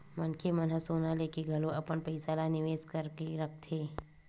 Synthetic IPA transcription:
mɐnkʰemənɦəsoːnalekeɡʱɐlõɐpənpɐɪsaːlanɪʋeːskəɾkeɾək̚ʰt̪ʰeː

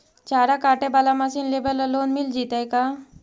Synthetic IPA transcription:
t͡ʃaːɾakaːʈebalamasiːnleːbələloːnmild͡ʒiːt̪aeka

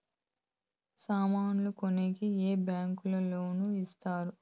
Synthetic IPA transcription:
saːmaːnulukonekieːbjaːŋkulɐlo̞ːnuist̪aːɾu

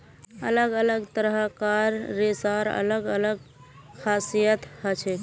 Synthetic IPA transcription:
ələɡələɡt̪əɾəɦəkaɾːesaɾə̰ləɡələɡ | kʰasijət̪hət͡ʃʰɛ

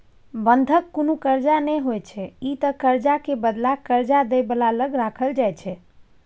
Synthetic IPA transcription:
bənd̪ʱəkːonukəɾd͡ʒanɛɦojt͡ʃʰɛit̪əkəɾd͡ʒakebəd̪lakəɾd͡ʒad̪ɛbəlaləɡɾakʰəld͡ʒajt͡ʃʰɛ

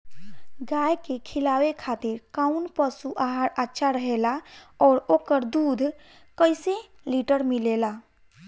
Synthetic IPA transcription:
ɡaːjkekʰɪlaːwekʰaːt̪ɪɾkaʊnpəsuʔaɦaɾatːʃʰaɾəɦelaɔːɾoːkəɾd̪uːd̪ʱ | kəɪseliʈəɾmɪleːla

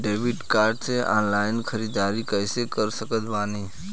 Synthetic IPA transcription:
ɖeːʋɪɖkaːɾɖseʔɔ̰̃ːnlaːɪnxʰɐɾiːd̪aːɾikɛːsekəɾsəkət̪ʋaːniː

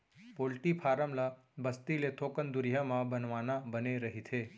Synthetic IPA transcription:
polʈipʰaɾəmla | bəst̪ilet̪ʰokənd̪ʊɾjamãbənʋanabəneɾəɦit̪ʰe

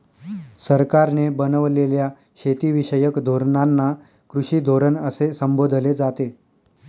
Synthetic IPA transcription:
səɾkaɾnebənəʋlelja | ɕet̪iʋiɕəjəkd̪ʱoɾɳanːa | kɾuɕiːd̪ʱoɾənəsesəmbod̪ʱled͡zat̪e

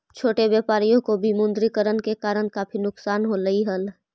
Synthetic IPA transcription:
t͡ʃʰoːʈebjeːpaːɾijõkobʱimʊ̃nd̪ɾikəɾənkekaːɾənkaːpʰinʊksaːnɦoləiɦəl

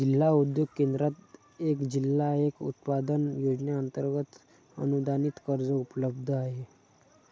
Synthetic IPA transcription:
d͡ʑilːaud̪joɡ̚kend̪ɾat̪ | ekd͡ʑilːaekṵt̪pad̪ənjod͡ʑnjaənt̪əɾɡət̪ | ə̰nud̪ʱanit̪kəɾd͡zəupləbd̪ʱəaɦe

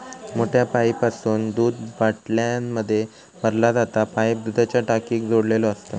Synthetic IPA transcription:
moʈʰjapaipasuːnd̪uːd̪ʋaʈljanməd̪ʱːje | məɾlad͡zat̪apajbd̪ud̪ʱat͡ɕjaʈakiːkd͡zoɽlelɔəst̪ə

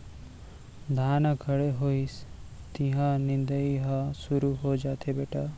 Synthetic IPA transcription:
d̪ʱaːnakʰəɽeɦois | t̪ĩɦãnɪ̃nd̪əiɦãsuɾuɦod͡ʒaːt̪ʰebeːʈaː

